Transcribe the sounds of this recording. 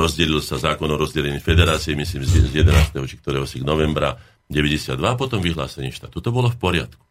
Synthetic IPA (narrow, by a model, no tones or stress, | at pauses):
ɾɔzɟɛlilsazaːkɔnɔɾɔzɟɛlɛɲifɛd̪ɛɾaːt͡siɛmisliːmzzjɛd̪ɛnaːst̪ɛɦɔt͡ʃikt̪ɔɾɛːɦɔsiɡnɔʋɛmbɾa̰ | ɟɛʋɛɟɛsɪa̰d̪ːʋaːpɔt̪ɔmʋiɦla̰ːsɛɲɛːʃt̪aːt̪ut̪ɔbɔlɔfpɔɾɪa̰t̪ku̥